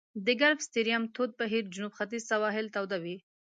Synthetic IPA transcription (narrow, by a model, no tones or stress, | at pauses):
d̪əɡaɾfst̪iɾijamt̪ʰod̪̚baɦiɾd͡ʒʊnubxat̪izsawɑɦɪlt̪awd̪awi